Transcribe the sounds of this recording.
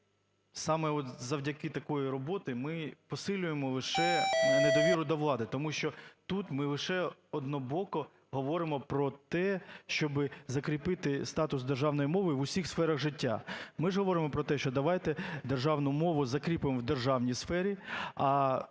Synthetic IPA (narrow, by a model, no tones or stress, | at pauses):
sɑmɛɔt̪zɐwdʲɐkɪt̪ɐkɔjiɾɔbɔt̪ɪmɪpɔsɪlʲʊjemɔlˠɪʃɛned̪ɔʋʲiɾʊd̪ɔʋlˠɑd̪ɪt̪ɔmuʃt͡ʃɔt̪ut̪mɪlˠɪʃɛɔd̪nɔbɔkɔ | ɦɔʋɔɾɪmɔpɾɔt̪ɛʃt͡ʃɔbɪzɐkɾʲipɪt̪ɪst̪ɑt̪ʊsd̪erʒɑwnɔjimɔʋɪʋʊsʲixsfɛɾɐɣʒɪtʲːa̰mɪʒɦɔʋɔɾɪmɔpɾɔt̪ɛʃt͡ʃɔd̪ɐʋɑjt̪ɛd̪erʒɑwnʊmɔʋʊzɐkɾʲipɪmwd̪erʒɑwnʲisfɛɾʲiɐ